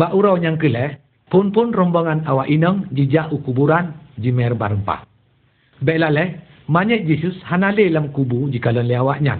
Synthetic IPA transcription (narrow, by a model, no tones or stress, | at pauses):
baʔuɾɔwɲaŋkəlɛ | pʊnpʊnrɔmbɔŋanawaʔinɔŋd͡ʒid͡ʒaʔukubuɾand͡ʒimɛrbaɾəmpa̰h | bɛʔlalɛh | maɲɛʔ̚d͡ʒisushanalelamkubud͡ʒikalɔnlɛawaʔɲa̰ŋ